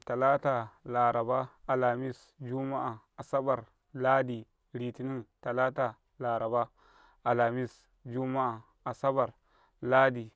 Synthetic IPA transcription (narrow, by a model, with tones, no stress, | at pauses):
ta˨la˦ta˨la˨ɾa˨ba˦a˨la˨mi˦s | d͡ʒu˦ma˦ʔa˨ | a˨sa˦ba˨ɾ | la˦di˨ | ɾi˨ti˨ni˦ta˨la˦ta˨ | la˨ɾa˨ba˦ | a˨la˨mi˦s | d͡ʒu˦ma˦a˨ | a˨sa˦ba˨ɾ | la˦di˨